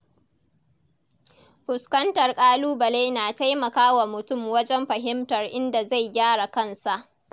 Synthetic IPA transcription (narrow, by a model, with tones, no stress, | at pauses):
ɸʊ˨skɐ˦ntɐ˨rkʼaː˦luː˦bɐ˨leː˦naː˨ta˦jmɐ˨kaː˦wa˨mʊ˨tʊ˦˨mwɐ˦d͡ʒɛ˦mɸɐ˨ɦɪ˦mtɐ˨rʔɪ˦nda˨za˦˨jɡʲaː˦ɽa˨kɐ˦nsa˨ʔ